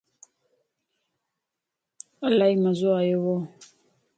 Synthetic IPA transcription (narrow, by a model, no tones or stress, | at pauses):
alaimazoajowɔ